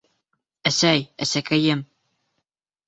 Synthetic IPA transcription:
æsæjæsækæjɘm

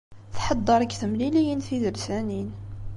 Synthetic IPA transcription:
θħɑd̪ˤːəɾˤəkθəmlilijənθiðəlsænin

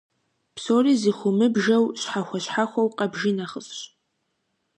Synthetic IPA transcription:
psoːriziχʷʊmɨbʒɐwɕħaxʷaɕħaxʷɐwqʼɐbʒɪnaχəsʼɕ

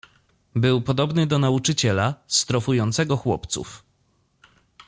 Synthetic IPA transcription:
bɘwpɔd̪ɔbnɘd̪ɔnaut͡ʂɘt͡ɕɛlast̪ɾɔfujɔnt̪sɛɡɔxwɔ̰pt̪sṵf

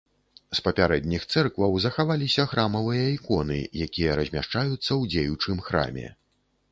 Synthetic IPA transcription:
spɐpʲaɾɛd̪ʲnʲixt̪sɛrkvɐwzɐxavalʲisʲɐxɾamɐvɨjɐikɔnɨ̰jakʲijɐɾɐzʲmʲaʂt͡ʂajut̪sːɐwd͡zʲejut͡ʂɨmxɾa̰mʲɛ̰

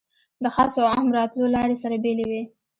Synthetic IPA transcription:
d̪əxɑsoɑmɾɑt̪lolɑɾesaɾabelewe

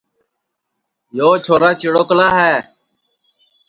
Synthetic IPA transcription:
joːt͡ʃʰoːɾaːt͡ʃɪɽoːkəlaːɦɛː

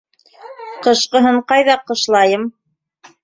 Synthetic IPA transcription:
qɤ̆ʃqɤ̆ɦɤɴqɑjðɑqɤ̆ʃlˠɑjɤm

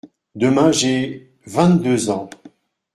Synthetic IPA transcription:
d̪əmɛ̃ʒɛ | vɛ̃t̪d̪øzɑ̃

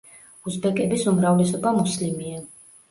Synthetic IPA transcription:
usbɛkʼɛbisumɾavlɛsɔbamuslimia

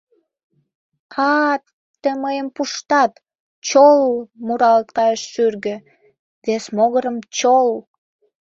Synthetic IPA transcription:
ɑt̪ː | əməjəmpuʃt̪ɑt̪ | t͡ɕolmuɾɑlt̪kɑjəʃːyrɣə | vesmoɣəɾəmt͡ɕol

